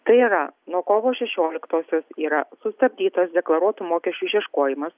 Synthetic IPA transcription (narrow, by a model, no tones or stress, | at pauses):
t̪ɐɪiːɾɐnuɔkoːʋoːʃʲɛʃʲoːlʲɪkt̪oːsʲoːsiːɾɐsʊst̪ɐbʲd̪ʲiːt̪ɐsd̪ʲɛklˠɐɾuɔt̪ʊmoːkʲɛʃʲt͡ʃʲʊʃʲiɛʃkoːjɪmɐs